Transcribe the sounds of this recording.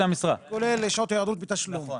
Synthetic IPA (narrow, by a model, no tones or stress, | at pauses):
amisʁakoleleʃot̪ajad̪uːt̪̚bet̪aʃlum